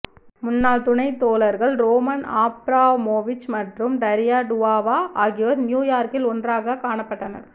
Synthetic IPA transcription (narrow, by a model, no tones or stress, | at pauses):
mʊnːaːlt̪ʊnɐɪt̪ːoːlɐɾɣɐɭɾoːmɐnaːpɾaːʋmoːʋɪt͡ʃmɐʈrɯmɖɐɾɪjaːɖʊʋaːʋaːʔaːɣɪʋɐðnjuːjaːɾkɪlɔndraːɣɐkaːɳɐpːɐʈːɐnɐ̰ɾ